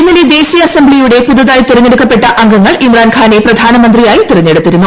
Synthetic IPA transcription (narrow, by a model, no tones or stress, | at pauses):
inːɐled̪e̞ːsijɐɐsɐmbɭijuɽe̞puðɐðaːjt̪irɐɲːeɽukːɐpːe̞ʈːɐʔɐŋɡɐŋːɐɭimraːnkʰaːne̞prɐd̪ʱaːnɐmɐnd̪rijaːjit̪irɐɲːeɽut̪ːiɾunːu